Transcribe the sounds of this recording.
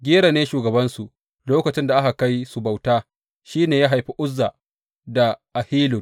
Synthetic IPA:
ɡʲi˦ɾa˨neː˦ʃuː˨ɡɐ˨bɐ˦nsu˨ʔ | loː˦kɐ˨t͡ʃɪ˦nda˨ʔa˦ka˨ka˦jsu˨ba˨wtaː˦ | ʃiː˦neː˨jaː˦ɦa˨jɸi˦ʔʷʊ˦zːa˨ | da˨ʔa˨hiː˦lʊ˨n

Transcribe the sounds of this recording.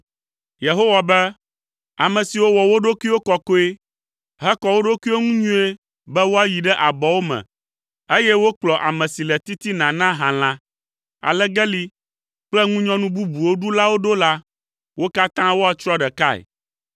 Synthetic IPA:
je˨ɦo˦wa˨bɛ˦ | a̰˨mɛ̃˨si˨wo˦wɔ˨wo˦ɖo˦ki˦wo˦kɔ˨ko˦e˦ | ɦɛ˦kɔ˨wo˦ɖo˦kʷi˦wo˦ŋũ˦ɲũ˦e˦ | bɛ˦wo˦a˦ji˨ɖɛ˦ʔa˨bɔ˨wo˦mɛ̰̃˨ | e˦jɛ˦wo˦k͡plɔ˨ʔa˨mɛ̃˨si˨lɛ˨t̪i˦t̪i˦nã˨nã˦ɦã˨l̃ã˦ | a̰˨lɛ˦ɡɛ˦li˦ | k͡plɛ˦ŋũ˦ɲɔ̃˦nũ˦bu˦bu˨wo˦ɖu˦la˦wo˦ɖo˦la˦ | wo˦ka˦t̪ã˦wo˦a˨t͡ʃɾɔ˦ɖɛ˨ka˦ɛ̰˨

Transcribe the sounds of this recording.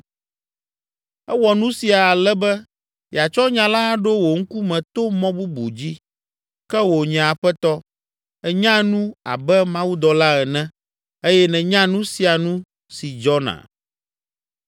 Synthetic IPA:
ɛ˦wɔ˨nũ˦si˨a˨a˨lɛ˦bɛ˦ | ja˨t͡ʃɔ˦ɲã˨la˦ɖo˦wo˨ŋ̩˦ku˦mɛ̃˨t̪o˦mɔ̃˦bu˦bṵ˨d͡ʑi˦ | kɛ˦wo˨ɲɛ̃˨a˨ɸɛ˦t̪ɔ˦ | ɛ˨ɲã˦nũ˦a̰˨bɛ˦mã˦wu˦d̪ɔ˨la˦ɛ˨nɛ̃˦ | e˦jɛ˦nɛ̃˨ɲã˦nũ˦si˨a˨nũ˦ | si˨d͡ʒɔ˦nã̰˨

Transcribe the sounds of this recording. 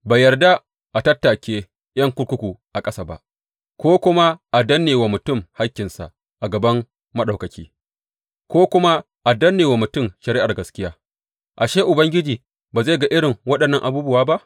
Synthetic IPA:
baː˨jɐ˨rda˦ | ʔa˨tɐ˦tːa˨kʲeː˦ | jɐ˦ŋkʷʊ˦ɽkʷʊ˦kʷu˨ʔa˨kʼɐ˦saː˦˨ba̰˨ʔ | kʷoː˦kʷʊ˦ma˦ʔa˨dɐ˦nːeː˨wa˨mʊ˨tʊ˦˨mha˦kʲːɪ˨nsa̰˨ʔ | ʔa˨ɡɐ˨bɐ˦m | mɐ˦ɗa˨kɐ˨kʲḭː˦ | kʷoː˦kʷʊ˦ma˦ | ʔa˨dɐ˦nːeː˨wa˨mʊ˨tʊ˦˨mʃɐ˨ɾɪ˦ʔa˨rɡɐ˨skʲɪ˦jaː˦ | ʔa˨ʃeː˦ʔʊ˨bɐ˦ŋɡʲɪ˦d͡ʒiː˨ | baː˨za˦˨ɡa˦ʔɪ˦ɽɪ˨ŋwɐ˦ɗɐ˨nːɐ˦˨ŋʔa˨buː˦bʊ˦waː˦ba˦ʔ

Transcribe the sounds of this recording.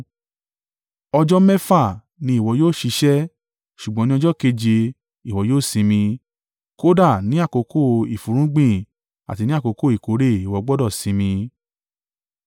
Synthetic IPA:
ɔ˧d͡ʒɔ˦mɛ˦fa˦˨ | nĩ˧˦i˦˨wɔ˧˦joː˦˨ʃi˧ʃɛ˦ | ʃu˨ɡ͡bɔ̃˨˦nĩ˦ɔ˧˦d͡ʒɔ˦ke˧d͡ʒe˧ | i˨wɔ˨˦joː˦˨sĩ˧mĩ˧ | ko˦da˦˨nĩ˦a˦˨ko˨˧ko˦˨i˨fu˨˦ɾ̃ũ˦ɡ͡bĩ˦˨ | a̰˨ti˧nĩ˦a˦˨ko˧ko˦˨i˨ko˨˦ɾe˦˨i˨wɔ˨˧˦ɡ͡bɔ˦dɔ˦˨sĩ˨˧mĩ˧

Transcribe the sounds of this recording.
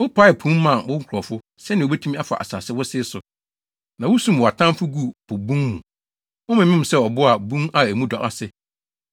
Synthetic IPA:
wʊ˦pʰa˦ɛ˨pʰũ˦m˦mã˨wʊ̃˦ŋ̩˦kʰʊ˨ɾɔ˨fʊ˦ | sɛ˦nɪ̃˨bɛ˦tʰũ˦mi˦a˦fa̰˨ʔa̰˨sa̰ː˨sɪ˦wʊ˦sɪ˦sʊ˨ | nã˨wʊ˦sũ˦mwɔ˨a˨tʰã˦m˦fʊ˦ɡu˦˨pʰʊ˨bũ˦ŋmũ˨ | wɔ˦mɪ̃˨mɪ̃˦m̩˨sɛ˦ɔ˨bʊ˦a˨bũ˦ŋa˨æ˨mũ˦dɔ˨ʔa˨sɪ˦

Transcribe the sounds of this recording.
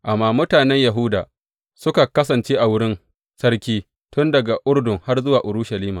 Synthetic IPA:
ʔa˨mːaː˦mʊ˦taː˨nɛ˦ɲjɐ˨ɦʊ˦daː˨ | sʊ˦ka˨kɐ˦s̬ɐ˨nt͡ʃeː˦ʔa˨wʊ˦ɽɪ˦n | sɐ˦rkʲiː˦ | tʊ˦ndɐ˨ɡa˨ʔʊ˦rdʊ˨ŋha˦rzʊ˦waː˨ʔʊ˨ɾʊ˦ʃɐ˨liː˦maː˨

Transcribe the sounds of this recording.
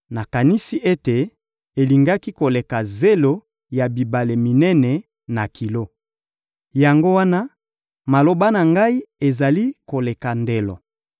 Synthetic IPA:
na˨ka˨ni˦si˦ʔe˦te˨ | e˨li˨ŋɡa˦ki˦ko˨le˨ka˨ze˦lo˦ | ja˨bi˨ba˨le˨mi˨nɛ˦nɛ˨ | na˨kʰi˨lo˦ | ja˨ŋɡo˦wa˦na˦ | ma˨lo˨ba˦na˨ŋɡa˦i˦e˨za˨li˦ko˨le˨ka˨nde˨lo̰˨

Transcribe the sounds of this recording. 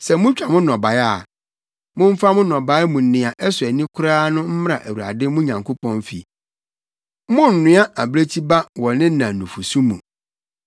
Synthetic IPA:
sɛ˨mʊ̃˦t͡ɕᶣa˨mʊ̃˦nɔ̃˨ba˨ja˦˨ | mʊ̃˦m̩˦fa˦mʊ̃˦nɔ̃˨ba˨˦mũ˨n˨nɪ̃˨a˨ʔɛ˦sʊ˨ɛ˨nĩ˦kʰʊ˦ɾaː˦nʊ̃˦m̩˦m˦a˨ʔæ˨wu˨ɾa̰˨dɪ˦mʊ̃˦ɲã˨ŋkʰo˦pɔ̃˦nfḭ˨˦ | mʊ̃˦n̩˨nɪ̃˦a˦ʔa˨bɾe˦t͡ɕʰi˦ba˦wɔ˨nɪ̃˦nã˨nũ˨fu˨sũ˦mṵ̃˨

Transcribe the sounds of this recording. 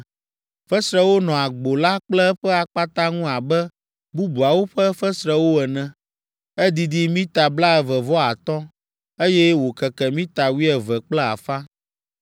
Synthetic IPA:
fɛ˦sɾɛ˦wo˦nɔ̃˨a˨ɡ͡bo˨la˦k͡plɛ˦ɸɛ˦a˨k͡pa˦t̪ã˦ŋũ˦a˨bɛ˦ | bu˦bu˨a˨wo˦ɸɛ˦fɛ˦sɾɛ˦wo˦ɛ˨nɛ̃˨ | ɛ˦d̪i˦d̪i˦mĩ˦t̪a˨bla˦ɛ˨vɛ˨vɔ˦a˨t̪ɔ̃˦ | e˦jɛ˦wo˨kɛ˨kɛ˨mĩ˦t̪a˨wi˦ɛ˨vɛ˨k͡plɛ˦a̰˨fa˦

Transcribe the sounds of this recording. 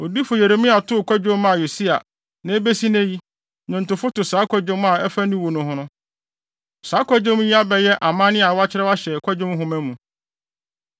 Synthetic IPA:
o˨di˦fʊ˨je˨ɾe˨mĩ˦a˨tʰʊ˦˨kʷʰa˦d͡ʑõ˦m˦a˨jo˨si˦a̰˨ | nã˨˦e˦be˦si˦nɛ̃˦ji˦ | nʊ̃˨n̩˨tʊ˨fʊ˦tʊ˨saː˨˦kʰʷɔ˦d͡ʑõ˦m˦a˨ɛ˦fa˦nĩ˦wo˨nʊ̃˨ɦʊ̃˦nʊ̃˦ | saː˨˦kʰʷɔ˦d͡ʑõ˦m˦ji˦a˦bɛ˨jɛ˦ʔa˨mã˦nɪ̃˦a˨wa˦t͡ɕʰɪ˦ɾɛ˦wa˦ɕɛ˨kʰʷɔ˦d͡ʑᶣõ˦m˦ɦʊ̃˦mæ̃˦mũ˨

